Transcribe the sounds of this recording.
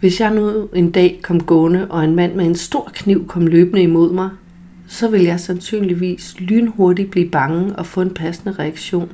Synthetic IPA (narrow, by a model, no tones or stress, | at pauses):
ʋe̝sjɑ̈ɪnue̝nd̥ɛ̰ːkʰɒ̽m̰ɡ̥ɔ̽nəʔɒ̽e̝nmæn̰meensd̥o̝ɐ̰kʰniʊ̰kʰɒ̽m̰løːb̥nəimo̝ð̰ˠmɑ̈ɪ | sɒ̽ʋe̝ljɑ̈ɪsænsy̰ːnliʋḭːslyːnəhoɐdi̥b̥liːb̥ɑ̈ŋəʔɒ̽fɔ̽ːe̝npʰæsnəʁɛæɡ̥ɕo̝̰ːn